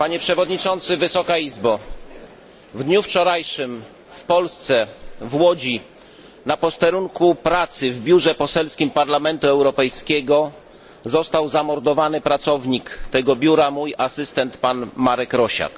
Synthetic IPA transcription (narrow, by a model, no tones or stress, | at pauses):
paɲɛpʂɛvɔd̪ɲit͡ʂɔnt̪sɘvɘsɔkaizba | vd̪ɲuft͡ʂɔɾajʂɘm | fpɔlst̪sɛvwɔd͡ʑi | napɔst̪ɛɾuŋkupɾat̪sɘvbʲjuʐɛpɔsɛlskʲimpaɾlamɛnt̪uɛwɾɔpɛjskʲɛɡɔ | zɔst̪awzamɔɾd̪ɔvanɘpɾat̪sɔvɲikt̪ɛɡɔbʲjuɾamujasɘst̪ɛnt̪panmaɾɛkɾɔɕa̰k